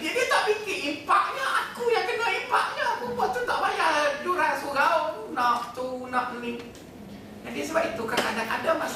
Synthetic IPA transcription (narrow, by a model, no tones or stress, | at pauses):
d͡ʒiadiət̪aʔbikinipaʔ̚ɲaakujaŋkənaipaʔ̚ɲakubat̪unt̪aʔbajad͡ʒuɾasuɡaunɔk̚t̪unɔk̚ni | d͡ʒadisəbap̚it̪ukanadana̰damas